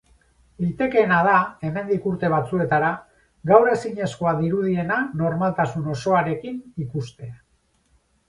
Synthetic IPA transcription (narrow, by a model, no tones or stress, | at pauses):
it̪e̞ke̞ːnað̞ae̞me̞nd̪ikuɾt̪e̞β̞at͡sue̞t̪aɾa | ɡawɾe̞siɲe̞sko̞aðiɾuð̞ie̞nano̞ɾmalt̪asuno̞so̞aɾe̞kinikust̪e̞a